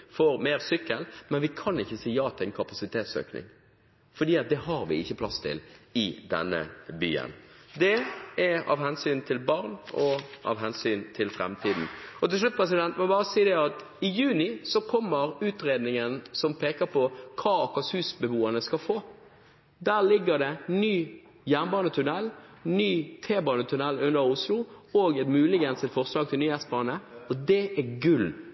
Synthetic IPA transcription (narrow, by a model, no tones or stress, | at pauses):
fɔɾmeːɾsʏkːəlmɛnʋɪkʰɑnɪçːəsiːjɑːt̪ʰːɛnkʰɑpɑsɪt̪ʰeːt̪sø̰ːknɪ̰ŋ | fɔd̪iːɑt̪̚d̪ɛɦɑɾʋɪ̰ɪçːəpʰlɑst̪ʰɪ̰lɪd̪ɛ̰nːə̰by̰ːə̰nd̪ɛɛɑ̰ʋhɛnsyːnt̪ʰɪlbɑɾnɔʔɑ̰ʋɦɛnsyːnt̪ʰɪlfɾɛ̰mt̪ʰiːd̪n̩ɔt̪ɪlslʉt̪̚pʰɾɛs̬ɪd̪ɛnt̪mɔbɑːɾəsiːd̪ɛɑt̪ | ɪjʉːnɪsɔkʰɔmːəɾʉːt̪ɾeːd̪nɪŋənsɔmpʰeːkəɾpʰɔkʰɑːɑkɑshʉːsbəbuːənəskɑfoː | d̪æːʁlɪɡːəd̪ɛnyː | jænbɑːnət̪ʰʉnɛlnyːt̪ʰeːbɑːnət̪ʰʉnɛlʉnːəɾʊslʊɔːɡɛt̪mʉːlɪɡənsɛt̪fɔʁslɑːɡ̚t̪ʰɪlnyːɛst̪bɑːnəɔd̪ɛæɡʉl